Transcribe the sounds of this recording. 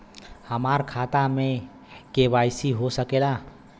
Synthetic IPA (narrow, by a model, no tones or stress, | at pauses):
həmaɾkʰat̪ame | kebajsiɦosəkela